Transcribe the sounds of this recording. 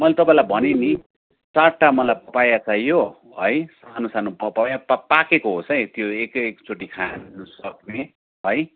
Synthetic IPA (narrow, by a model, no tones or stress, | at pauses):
mʌlet̪ʌpãĩlajbʱʌneni | t͡saʈːamʌlajpʌpajat͡sʰajjo | ɦʌjsanosanopʌpajapapakekoɦosʌjt̪joekkt͡sʰoʈikʰanʌsʌkne | ʌj